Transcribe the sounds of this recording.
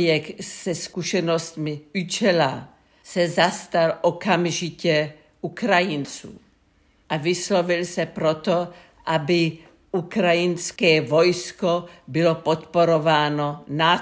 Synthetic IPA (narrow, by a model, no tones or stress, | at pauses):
jɛksɛskuʃɛnost̪mɪut͡ʃɛla | sɛzast̪alʔokamʒɪcɛ | ʔukɾajɪnt͡sṵː | ʔavɪslovɪlsɛpɾot̪o | ʔabɪ | ʔukɾajɪnskɛːvojskobɪlopot̪poɾovaːnona